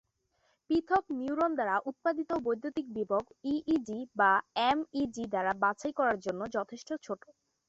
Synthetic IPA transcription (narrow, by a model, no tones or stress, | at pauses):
pit̪ʰokniuɾond̪aɾaʔut̪̚pad̪it̪obojd̪ʱːot̪ik̚biboɡiʔiɖibaemiɖid̪aɾabat͡ɕajkɔɾaɾd͡ʑonːod͡ʑɔt̪ʰeʃʈot͡ɕʰoʈo̥